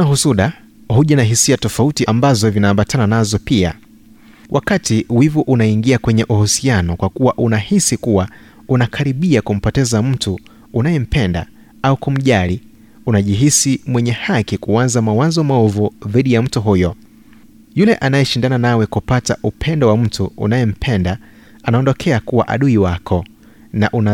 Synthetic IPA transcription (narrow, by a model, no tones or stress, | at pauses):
ahusuɗa | huʄanaɦisiatɔfautiʔambazɔvinaːmbatʰananazɔpia̰ | wʔakatiwivuʔunaiŋɡiakwɛɲɛʔuhusianɔkwakuwaʔunahisikuwa | unakʰaɾiɓiakum̩pɔtɛzam̩tu | unajɛm̩pɛnda̰ | aukum̩ʄali | unaʄiɦisimwɛɲɛhakikuanzamawazɔmaɔvuðiɗijam̩tuɦujɔ | julɛʔanajɛʃindananawɛkupataʔupʰɛndɔwam̩tuṵnajɛm̩pʰɛnda | anaɔndɔkʰɛakuwa̰ʔa̰ɗuiwakʰɔ | naʔuna